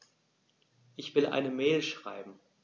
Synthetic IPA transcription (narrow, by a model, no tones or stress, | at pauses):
ʔɪçv̥ɪlʔa̰ɪnəmɛːlʃʁ̥a̰ɪbm̩